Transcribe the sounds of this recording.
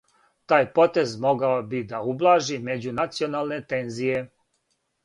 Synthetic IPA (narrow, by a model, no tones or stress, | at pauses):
t̪aːjpo̞t̪e̞zmo̞ɡaobid̪aublˠaːʒime̞d͡ʑunat̪sio̞naːlne̞t̪e̞nzije